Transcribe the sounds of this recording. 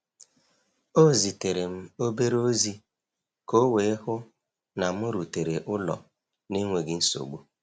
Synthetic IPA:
o˦˨zi˨te˨ɾe˨m̩˦o˦be˦ɾo˦zi˦ | ko˦we˨˦ɪ˦hʊ˦ | na˨mʊ˦ɾu˨te˨ɾe˨ʔʊ˦lɔ̰˨ | ni˦ŋʷe˨ɡɪ˦n̩˦so̰˨ɡ͡bu˦

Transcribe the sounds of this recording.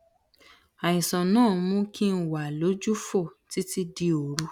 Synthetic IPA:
a˨jĩ˨sɔ̃˨nãː˦˨˧mũ˦kʰi˦n̩˦wa˨lo˨˦d͡ʒu˦fo˦˨ti˨˦ti˦di˧o˨ɾu˦

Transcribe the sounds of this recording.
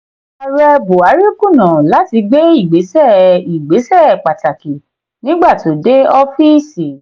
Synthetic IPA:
a˧ɾɛ˦bo˨a˨˦ɾi˦kũ˦˨nã˨la˨˦ti˧ɡ͡be˦i˦˨ɡ͡be˨˦sɛ˦˨i˨ɡ͡be˨˦sɛ˦˨k͡pa˨ta˨ki˨ | nĩ˨˦ɡ͡ba˦˨to˨de˦ɔ˦fi˦si˨

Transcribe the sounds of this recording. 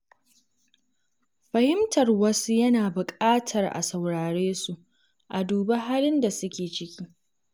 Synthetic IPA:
ɸɐ˨hɪ˦mtɐ˨rwɐ˦su˦jɐ˦naː˨bʊ˨kʼaː˦tʰɐ˨rʔa̰˨sɐ˨wɽaː˨ɽeː˦su˨ʔ | ʔa˨duː˨ba˦ɦaː˦lɪ˦nda˨sʊ˦kʲeː˨t͡ʃɪ˦kʲiː˦

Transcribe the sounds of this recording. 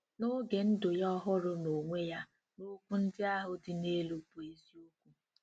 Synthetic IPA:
no˦ɡe˨n̩˦dʊ˨jɔ˦ɦʊ˦ɾʊ˦no˨ŋʷe˦ja˦ | no˦kʷu˦n̩˦dɪ˦a˦ɦʊ˨dɪ˨ne˦lu˨pu˨e˦zi˦o˦kʷu˦

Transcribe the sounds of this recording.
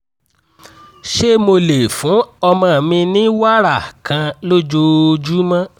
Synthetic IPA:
ʃe˦mo˧le˨fũ˨˦ɔ˧mã˧˨mĩ˧nĩ˦wa˦ɾa˦˨kã˧lo˦d͡ʒo˧d͡ʒu˦mã˦

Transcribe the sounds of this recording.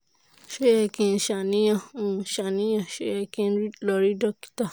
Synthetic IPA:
ʃo˦jɛ˧kĩ˧n˨ʃa˨nĩ˦jã˦˧˨ʃa˨nĩ˦jã˦˨ʃo˦jɛ˧kĩ˧n˦ɾi˦lɔ˧˨ɾi˦dɔ˦ki̥˨ta˦˨

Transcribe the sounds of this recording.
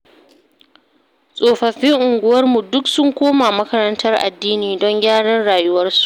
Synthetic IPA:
sʼoː˨ɸɐ˨ɸɪ˦ŋʔʊ˨ŋɡʷʊ˦wɐ˦rmu˨dʊ˦ksʊ˦ŋkʷoː˦maː˨mɐ˦kɐ˦ɾɐ˦ntɐ˦rʔa̰˨dːiː˦niː˨dɔ˦ŋɡʲaː˦ɽɐ˦nɽaː˨jʊ˦wɐ˦rsu̥˨˦ʔ

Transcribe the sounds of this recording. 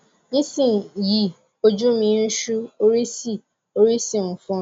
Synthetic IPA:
nĩ˦sĩ˦˨ji˦ | o˦d͡ʒu˦mĩ˧˦n̩˦ʃu˦o˦ɾi˦si˦˨ | o˦ɾi˦si˦˨fɔ̃˦

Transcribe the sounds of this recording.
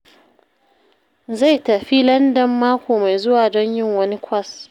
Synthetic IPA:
za˦˨jtɐ˨ɸi˦lɐ˦ndɐ˨mːaː˦kʷoː˨ma˨jzʊ˦waː˨dɔ˦ɲjɪ˦ŋwɐ˦ni˦kʷɐ˦˨s

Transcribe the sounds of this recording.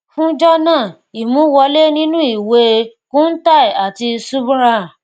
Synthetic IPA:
fũ˦d͡ʒɔ˦nãː˦˨ | i˨mũ˨˦wɔ˧le˦nĩ˦nũ˦i˦˨we˨˧kũ˦n̩˦ta˦˨i˨a˨ti˧su˦bu˦ɾa˦˨

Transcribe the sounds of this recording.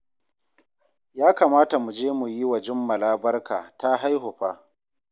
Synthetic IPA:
jaː˦kaː˨maː˦ta˨mu˨d͡ʒeː˦mu˨ji˦wɐ˨d͡ʒɪ˦mːɐ˨laː˦bɐ˦rkaː˨ta˦ɦa˦jɦʊ˨ɸaː˦

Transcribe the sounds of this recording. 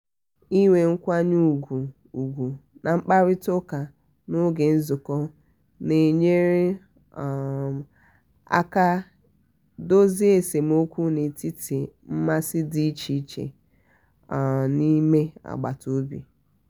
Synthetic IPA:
i˦ŋʷe˨ŋ̩˦kʷa˦ɲu˦˨ɡʷu˨ | u˨ɡʷu˨nʔa˨ŋ͡m̩˦k͡pa˦ɾɪ˦tʊ˦ka˨ | no˦ɡe˨n̩˦zʊ˨kɔ˦ | ne˨ɲe˦ɾe˦˨ | a̰˦ka˦ | do˦zi˦e˨se˨m̩˦o˦kʷu˦ne˨ti˦ti˨m̩˦ma˦sɪ˦di˦t͡ʃi˦t͡ʃḛ˨ | ni˦me˦a̰˨ɡ͡ba̰˨to˨˦bḭ˨

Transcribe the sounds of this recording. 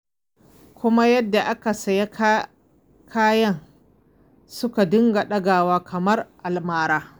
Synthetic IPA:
kʷʊ˦ma˦jɐ˦dːa˨ʔa˦ka˨sɐ˨ja˦ | kʰaː˦jɐ˦ŋ | sʊ˦ka˨dʊ˦ŋɡa˨ɗɐ˦ɡaː˨waː˦kʰɐ˨mɐ˦rʔa˨lmaː˨ɾaː˦

